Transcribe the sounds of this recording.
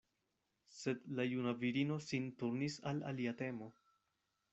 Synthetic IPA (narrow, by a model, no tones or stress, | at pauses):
se̞d̪lajunaviɾino̞sintuɾnisala̰liate̞mo̞